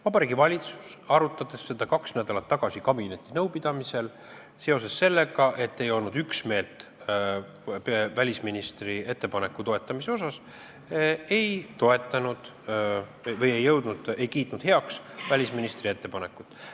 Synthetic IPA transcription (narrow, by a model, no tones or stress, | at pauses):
vɑbɑɾiːɡivɑlʲit̪su̥sɑɾut̪ːˑɑd̪̥e̞sːe̞d̪̥ɑkɑksnæd̪̥ɑlɑt̪ːɑɡ̥ɑsikɑbinet̪ːˑinɤwpid̪̥ɑmise̞l | se̞o̞s̬e̞sːe̞lːeɡɑʔe̞t̪ːe̞jo̞lnud̪yksme̞ːlt̪ˑ | vælʲisminist̪rie̞t̪ːe̞pɑne̞kːut̪o̞e̞t̪ˑːɑmise̞o̞sɑs | e̞jt̪o̞e̞t̪ːˑɑnud̪̥ | vɤje̞jːɤwd̪̥nud̪̥e̞jkiːt̪ˑnud̪̥he̞ɑksvælʲisminist̪rie̞t̪ːe̞pɑne̞kːˑut̪ːˑ